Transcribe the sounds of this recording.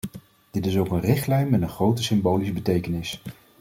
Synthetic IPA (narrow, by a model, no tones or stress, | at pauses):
d̥ɪtɪsowkənrɪχtlɛjnmɛnənχrowtəsɪmbowlisbətejkənɪs